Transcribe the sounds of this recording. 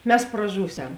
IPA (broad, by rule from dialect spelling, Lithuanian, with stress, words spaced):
ˈmʲɛs prɐˈʒuːˌsʲɛm